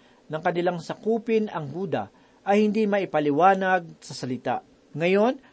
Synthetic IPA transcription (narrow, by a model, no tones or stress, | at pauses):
nɐŋkɐnɪlaŋsɐkuːpɪnɐŋhuːd̪ɐ̰ | ʔɐjhɪnd̪imɐʔɪpɐlɪwaːnɐɡ̚sɐsɐlɪt̪a̰ʔ | ŋɐjo̞n